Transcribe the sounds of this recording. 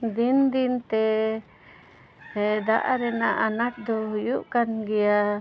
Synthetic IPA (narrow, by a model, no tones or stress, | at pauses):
d̪ind̪int̪ɛ | ɛd̪aʔaɾɛnaʔanaʈ̚d̪ɔɦujuʔkanɡɛja